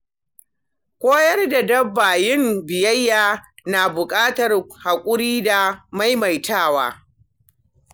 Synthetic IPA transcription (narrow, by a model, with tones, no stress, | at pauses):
kʷoː˦jɐ˦rda˨dɐ˦bːaː˨jɪ˦mbɪ˨jɐ˦jːaː˦na˨bʊ˨kʼaː˦tɐ˨rha˨kʷʼʊ˦ɾiː˦da˨ma˦jma˨jtʰaː˦˨wa̰ː˦